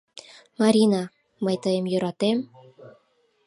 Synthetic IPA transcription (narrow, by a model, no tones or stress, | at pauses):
mɑɾʲinɑ | məjt̪əjemjøɾɑt̪em